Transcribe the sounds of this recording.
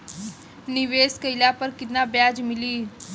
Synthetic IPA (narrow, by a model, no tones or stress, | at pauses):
niʋeːskəjlapəɾkɪt̪nabjaːd͡ʒmɪliː